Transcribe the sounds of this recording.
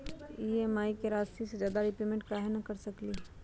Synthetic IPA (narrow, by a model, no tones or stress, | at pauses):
iːemaːikeɾaːst̪ʰisezjaːd̪aɾɪpemẽɳʈ̚kaːɦenɐkɐɾsɐkliː